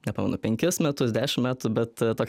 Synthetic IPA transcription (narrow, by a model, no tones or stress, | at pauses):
nʲɛpɑːmʲɛ̰nʊpʲɛŋʲkʲɪsmʲɛt̪ʊsd̪ʲæːʃʲɪmmʲæːt̪ʊbʲɛt̪t̪oːks